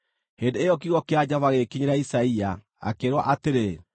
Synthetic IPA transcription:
heːndeejɔk̬iɣɔkead͡ʑavaɣekiɲeɾeaisaia | a̰keɾwaʔateɾe

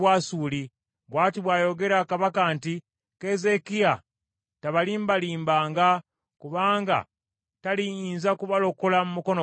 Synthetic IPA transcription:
waːsuːli | βwaːtiβwaːjo̞ɡe̞ɾakaβakanti | kezekia | taβaliːmbaliːmbaːŋɡa | kuβaːŋɡa̰ | talijiːnzakuβalo̞kolamumuko̞no

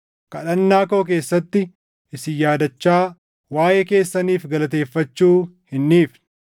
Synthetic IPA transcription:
kɐᶑɐnːaːko̞ːk̬e̞ːsːɐt̪ːɪ | ʔɪsɪjaːd̪ɐt͡ʃːaː | waːjɛke̞ːsːɐniːfɡɐlɐt̪e̞ːfːɐt͡ʃːuːhɪnːiːf

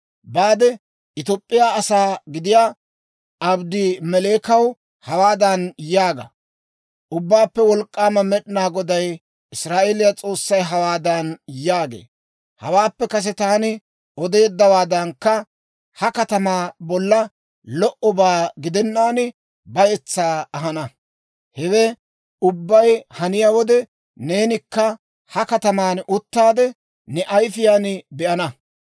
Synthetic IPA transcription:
baːd̪ɛ | ʔɪt̪opʼːɪjaːɐsaːɡɪd̪ɪjaː | ʔɐbd̪ɪmɛle̞ːkɐw | hɐwaːd̪ɐnjaːɡɐ̰ | ʔʊbːaːpːɛwɔlkʼːaːmɐmɛɗɪnaːɡɔd̪ɐj | ʔɪsɾaːʔeːlɪjat͡sʼo̞ːsːɐjɦɐwaːd̪ɐnjaːɡḛː | hɐwaːpːɛkɐs̬ɛt̪aːnɪ | ɔd̪e̞ːd̪ːɐwaːd̪ɐnkːɐ | hɐkɐt̪ɐmaːbɔlːɐ | lɔʔɔbaːɡɪd̪ɛnːaːnɪ | bɐjɛt͡sːaːɐɦɐnɐ | hɛwɛ | ʊbːɐjhɐnɪjawɔd̪ɛ | ne̞ːnɪkːɐ | hɐkɐt̪ɐmaːnʔʊt̪ːaːd̪ɛ | nɛʔɐjfɪjaːnɪbɛʔɐnɐ

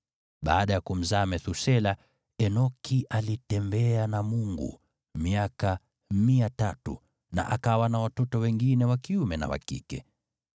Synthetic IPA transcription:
ɓa̰ːɗajakum̩zaːmɛθusɛla | ɛnɔkʰiʔalitɛmbɛanamuŋɡṵ | miaka | miatatṵ | na̰ʔa̰kawanawatɔtɔwɛŋɡinɛwakiumɛna̰wa̰kḭkɛ

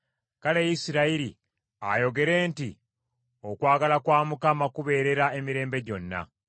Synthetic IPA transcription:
kale̞jisiɾaiɾi | a̰jo̞ɡe̞ɾe̞ːnti | o̞kwaːɡalakwaːmukamakuβe̞ːɾe̞ɾae̞miɾe̞ːmbe̞ɟo̞nːa̰

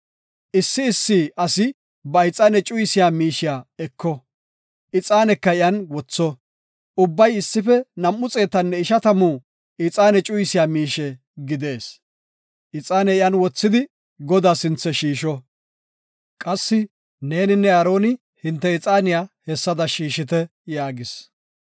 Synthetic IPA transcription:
ʔɪsːɪːsːiːʔɐsɪ | bɐɪt͡sʼaːnɛt͡ʃʼʊjsɪjaːmiːʃɪjaːɛkːɔ | ʔɪt͡sʼaːnɛkːɐɪjɐnwɔt͡sːɔ | ʊbːɐjɪsːɪfɛnɐmːʊt͡sʼe̞ːt̪ɐnːɛɪʃɐt̪ɐmuː | ɪt͡sʼaːnɛt͡ʃʼʊjsɪjaːmiːʃɛ | ɡɪd̪e̞ːs | ʔɪt͡sʼaːnɛɪjanwɔt͡sːɪd̪ɪ | ɡɔd̪aːsɪnt͡sːɛʃiːʃɔ | kʼɐsːɪ | ne̞ːnɪnːɛɐɾo̞ːnɪ | hɪnt̪ːɛɪt͡sʼaːnɪjaːhɛsːɐd̪ɐʃiːʃɪt̪ɛjaːɡɪs

